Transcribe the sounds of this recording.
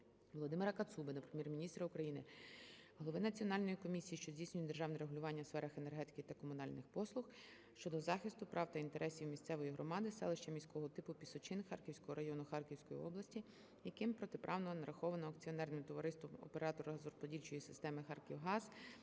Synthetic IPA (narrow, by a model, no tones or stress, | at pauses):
ʋɔlˠɔd̪ɪmɪɾɐkɐt̪subɪnɐpɾemʲjirmʲinʲist̪ɾɐʊkɾɐjinɪ | ɦɔlˠɔʋɪnɐt͡sʲiɔnɑlʲnɔjikɔmʲisʲijiʃt͡ʃɔzʲisʲnʲʊjɛt̚ʲd̪erʒɑwnɛɾeɦʊlʲʊʋɑnʲːɐsfɛɾɐxenerɦɛt̪ɪ̥kɪt̪ɐkɔmʊnɑlʲnɪxpɔslˠʊx | ʃt͡ʃɔd̪ɔzɑxɪst̪ʊpɾʔɑwt̪ɐint̪e̞ɾʔɛsʲiwmʲist̪sɛʋɔjiɦɾɔmɑd̪ɪsɛ̰lˠɪʃt͡ʃɐmʲisʲkɔɦɔt̪ɪpʊpʲisɔt͡ʃɪnxɑ̰rkʲiwsʲkɔɦɔɾɐjɔnʊxɑrkʲiwsʲkɔjḭɔ̰blˠɐsʲtʲi | jɐkɪmpɾɔt̪epɾʔɑwnɔnɐɾʔɐxɔʋɐnɔɐkt͡sʲiɔnɛrnɪmt̪ɔʋɐɾɪst̪ʋɔmɔ̰peɾɑt̪ɔɾʊzɾɔspɔdʲilʲt͡ʃɔjisɪ̥st̪ɛmɪxɑrkʲiwɦɑz̥